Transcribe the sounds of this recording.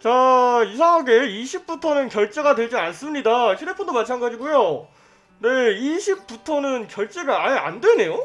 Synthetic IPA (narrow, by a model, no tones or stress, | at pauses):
t͡ɕaisʰaŋaɡe̞iɕʰip̚p͈utʰonɯnkjʌɭt͡ɕ͈eɡadwe̞ɭd͡ʑians͈ɯmɲidaɕʰide̞pʰondomat͡ɕʰanɡad͡ʑiɡujo | ne̞iɕʰip̚p͈utʰʌnɯnkjʌɭt͡ɕ͈e̞ɡaajea̰ndwe̞ne̞jo